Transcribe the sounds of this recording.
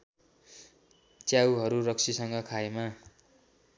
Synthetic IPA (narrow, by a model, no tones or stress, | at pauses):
t͡sjawɦʌɾuɾʌksʰisʌŋɡʌkʰaema